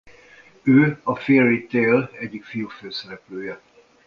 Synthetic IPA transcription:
øːɒferit̪eːlɛɟːikfijuføːsɛɾɛpløːjɛ

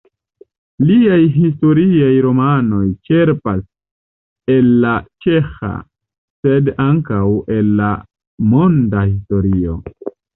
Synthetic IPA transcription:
liajɦis̬to̞ɾiajɾo̞mano̞jt͡ʃe̞ɾpas | elːat͡ʃe̞xa̰ | sedaŋkawe̞lːa | mondahis̬to̞ɾio̞̰

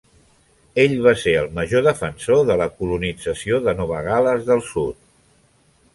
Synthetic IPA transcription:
eʎβaseəlˠməʒoðəfənsoðələkulunid͡zəsioðənɔβ̞əɣaləzðəlˠsut̪̚

